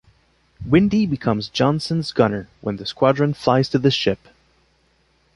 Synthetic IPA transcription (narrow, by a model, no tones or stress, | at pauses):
wɪ̃ndibɨkʰʌ̃mzd͡ʒɑ̃nsɨ̃nzɡʌnə˞wə̰̃nðɨskw̥ɑdɹɨ̃nflaɪz̥tʰɨðɨʃɪp